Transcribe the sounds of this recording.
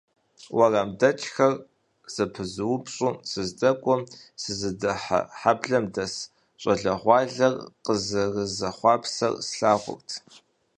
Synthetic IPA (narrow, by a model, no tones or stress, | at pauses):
wɐrɐmdɐt͡ʃʼxɐr | z̥ɨpʰɨzɨwʊpʰɕʼuːsɨzdɐkʷʼɔmsɨzɨdɐħħabɮɐmdɐs | ɕʷʼɐɮɐʁʷɑːɮɐrqəzɨrəzɐχʷɑːpʰsɐ̰rsɬaːʁʷʊ̰rtʰ